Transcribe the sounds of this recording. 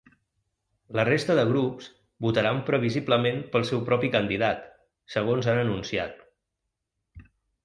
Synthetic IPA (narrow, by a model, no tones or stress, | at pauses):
lərest̪əðəɣ̞ɾups | but̪əɾampɾəβ̞izibləmempəlˠsɛwpɾɔpikənd̪iðat̪ | səɣ̞onzanənunsiat̪̚